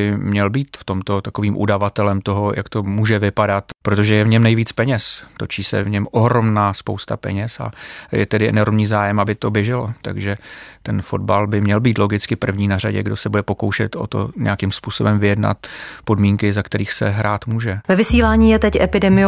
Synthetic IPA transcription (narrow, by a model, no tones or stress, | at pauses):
ɪmɲɛlbiːt̪ft̪o̞mt̪o̞t̪akoviːmʔṵdavat̪ɛlɛmt̪o̞ɦo̞jʔa̰kt̪o̞muːʒɛvɪpadat̪pɾo̞t̪o̞ʒɛjɛvɲɛmnɛjviːt͡spɛɲɛst̪o̞t͡ʃiːsɛ̰vɲɛmo̞ɦɾo̞mnaːspowst̪a̰pɛ̰ɲɛsa̰jɛ̰t̪ɛdɪʔɛ̰no̞ɾmɲiːzaːjɛmabɪt̪o̞bjɛʒɛlot̪a̰ɡʒɛt̪ɛnfo̞d̚balbɪmɲɛlbiːt̪lo̞ɡɪt͡skɪpr̩vɲiːnara̰ɟɛ̰ɡdo̞sɛbudɛpo̞ko̞wʃɛ̰t̪o̰t̪o̞̰ɲɛ̰jakimspuːso̞bɛmvɪjɛdna̰t̪po̞dmiːŋkɪzakt̪ɛɾiːxsɛɦɾaːt̪muːʒɛvɛvɪsiːlaːɲiːjɛt̪ɛcʔɛpɪdɛmɪj